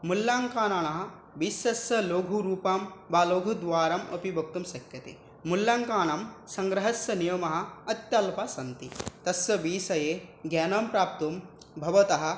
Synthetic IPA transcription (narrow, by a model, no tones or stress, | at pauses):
mulːaːŋkaːnɐɳɐɦɐ̆ | biːsɐsjɐloːɡʱuɾuːpɐmbaːloːɡʱud̪ʋaːɾɐmɐ̰pibʱɐk̚t̪umʃɐkjɐt̪ḛː | mulːaːŋkaːɳɐmsɐŋɡɾɐɦɐsjɐnijɐmɐɦɐ̆ɐt̪jɐlpɐsɐnt̪it̪ɐsʋɐbiːsɐjeːɡjaːnɐmpɾaːp̚t̪um | bʱɐʋɐt̪ɐɦɐ̆